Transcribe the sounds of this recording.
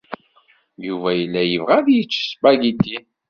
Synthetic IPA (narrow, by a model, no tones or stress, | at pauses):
juvæjəlːæjəvʁæðjət͡ʃːə̥sbæɡit̪ːi